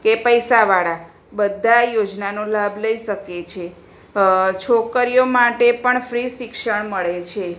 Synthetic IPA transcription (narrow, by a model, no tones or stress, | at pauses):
kepəjsaʋaɭa | bəd̪ʱːajod͡ʒnanolabʱləiʃəket͡ʃʰe | t͡ʃʰokəɾijomaʈepəɳfɾiʃikʃəɳməɭet͡ʃʰe